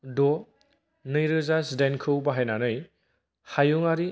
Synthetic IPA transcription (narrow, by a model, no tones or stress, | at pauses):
dɔ | nɯjɾɯzasdenkʰɯwbɐɦajnanɯj | hajuŋaɾi